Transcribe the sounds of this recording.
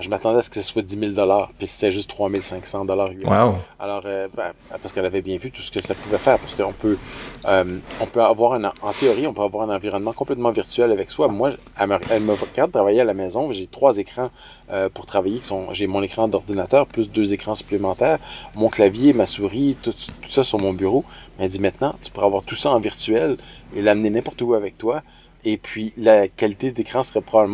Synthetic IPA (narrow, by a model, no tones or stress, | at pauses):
ʒəmat̪ɑ̃d̪ɛasə̥kə̥saswad̪imild̪ɔlaːʁpiɛlse̥t̪ɛʒʏst̪ːχwamilsɛ̃ksɑ̃d̪ɔlaːʁyɛa̰lɔːʁøbɛpaʁsəkɛlavɛbjɛ̃vyt̪u̥sə̥kəsapuvɛfɛːʁpaʁsə̥kəɔ̰̃pʰøømɔ̃pøavwaːʁɛ̃nɑ̃t̪eɔʁiɔ̃pøavwaːʁɛ̃nɑ̃viʁɔnmɑ̃kɔ̃plɛt̪mɑ̃viʁt̪yɛlavɛkswamwa | ɛməʁɛlməvʁəɡaʁd̪ət̪ʁavajealamɛːzɔ̃ʒet̪χwazekχɑ̃ | øpuʁt̪χavajekʲi̥sɔ̃ʒemɔ̃nekχɑ̃d̪ɔʁd̪inat̪œːʁplys̬d̪øzekχɑ̃sy̥plemɑ̃t̪ɛːʁmɔ̃klavjemasuʁit̪ust̪u̥sasyʁmɔ̃byʁomɛd͡z̪imɛ̃t̪nɑ̃t̪y̥puʁɛavwaʁt̪usaɑ̃viʁt̪yɛlelamnenɛ̃pɔʁt̪əuavɛk̚t̪wa | epʰɥilakʲalit̪ed̪ekʁɑ̃səʁɛpʁɔbabləm̃